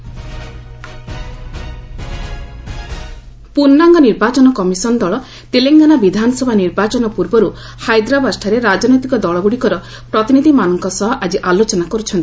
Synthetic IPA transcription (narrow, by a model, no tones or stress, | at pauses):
punːaŋɡɔniɾbat͡ʃɔnɔkɔmisɔnd̪ɔɭɔ | t̪eleŋɡanabid̪ʱanɔsɔbʱaniɾbat͡ʃɔnɔpuɾbɔɾu | hajd̪ɾabasʈʰaɾeɾad͡ʒnɔjt̪ikɔd̪ɔɭɔɡuɽikɔɾɔ | pɾɔt̪inid̪ʱimanɔŋkɔsɔɦɔʔad͡ʒiʔalot͡ʃɔnakɔɾut͡ʃʰɔnt̪i̥